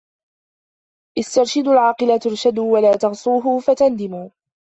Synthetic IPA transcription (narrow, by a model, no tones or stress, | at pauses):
ʔɪst̪ɑɾˤʃɪd̪alʕɑːqɨlat̪ʊɾʃad̪walaːt̪ɑɣsˤuːɦʊfat̪and̪ɪmuː